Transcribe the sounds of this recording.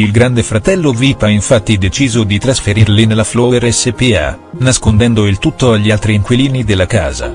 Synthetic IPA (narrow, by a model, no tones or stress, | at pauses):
ilɡɾand̪efɾat̪ɛlːovipaiɱfat̪ːid̪et͡ʃiːzod̪it̪ɾasfeɾirlinelːaflɔeɾɛsːepia̰ | naskond̪ɛnd̪oilt̪ut̪ːoaʎːialt̪ɾiːŋkwiliːnid̪elːaka̰ːza̰